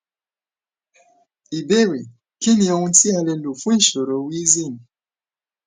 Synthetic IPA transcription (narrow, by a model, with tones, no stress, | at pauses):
i˨be˦ɾi˨ | ki˦ni˨˦o˦ŋu˦ti˦a˦le˦u˨fu˦n̩˦˨ʃo˨ɾo˨wi˦zi˦˨m̩˨